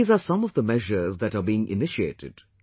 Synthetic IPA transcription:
zasʌ̃mɔvd̪əmɛʒəɾzd̪æʈabiːɪ̃ŋʔɪ̰nɪʃiḛːʈɪ̰ɖ̥

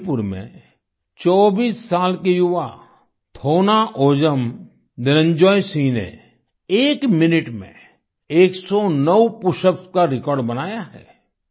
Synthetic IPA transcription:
pʊɾmḛ̃ | t͡ʃɔːbiːsːaːlkejʊʋa | t̪ʰoːnaʔoːd͡ʒəm | d̪ɪɾə̃ɲd͡ʒɔːjsĩnḛ | eːkmɪnɪʈmḛ̃ | eːksɔnəwpʊʃəpskaɾɪkɔːɾɖbɐnaːjaɦɛ̰ː

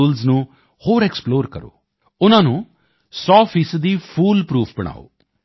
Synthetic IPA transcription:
uːlznũː | hoːɾɛksploːɾkəɾo̰ː | ʊnãːnũː | sɔːpʰiːsd̪iːpʰuːlpɾuːpʰbəɽ̃a̰ːo̰ː

